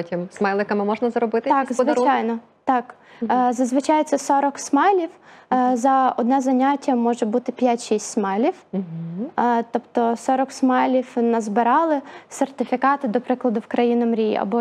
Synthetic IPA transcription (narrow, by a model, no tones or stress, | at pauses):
tʲimsmɛjlˠɪkɐmɪmɔʒnɐzɐɾɔbɪt̪ɪt̪ɑzʋɪt͡ʃɑjnɔ | t̪ɑk | zɐzʋɪt͡ʃɑjt̪sɛsɔɾɔksmɛjlʲiwzɐɔd̪nɛzɐnʲatʲːɐmɔʒɛbut̪ɪpʲjatʲʃisʲtʲsmɛjlʲiw̩ | t̪ɔpt̪ɔsɔɾɔksmɛjlʲiwnɐzbɪɾɑlˠɪsert̪ɪfʲikɑt̪ɪd̪ɔpɾɪklˠɐd̪ʊwkɾɐjinɔmɾʲḭɐ̰bɔ